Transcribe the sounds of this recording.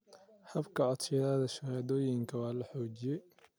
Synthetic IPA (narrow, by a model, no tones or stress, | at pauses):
hɐbkʰɐʕɔd̪ʃɛðaːðɐʃɐhaːðɔːjɪŋkʰɐwɑːlɐħɔːt͡ʃɪjɛj